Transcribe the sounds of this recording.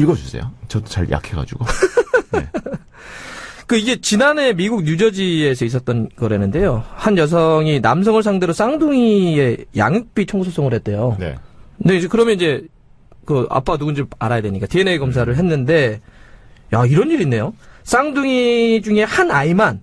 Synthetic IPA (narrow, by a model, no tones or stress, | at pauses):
iɡʌd͡ʑusʰe̞̰jo̰t͡ɕʌdot͡ɕa̰ɾja̰kʰeɡa̰d͡ʑṵɡ̥o | kɯiɡe̞t͡ɕinane̞miɡuɡ̚ɲjud͡ʑʌd͡ʑiesʰʌis̬͈ʌt͈̚ʌnɡʌɾɦenɯnde̞johanjʌs̬ʰʌŋinams̬ʰʌŋɯɭsʰaŋde̞ɾos͈aŋduŋiie̞ja̰ŋɯk̚p͈it͡ɕʰʌŋɡusʰos͈ʰʌŋɯɭhe̞t̚t͈e̞jonḛekɯɾʌmjʌnid͡ʑe̞ | kɯa̰p͈anuɡɯnd͡ʑiɭaɾajadweɲik͈ateeneekʌms̬ʰaɾɯɭɦe̞nːɯnde̞ | jaiɾʌnːiɾinːe̞jos͈aŋduŋid͡ʑuŋe̞hanaiman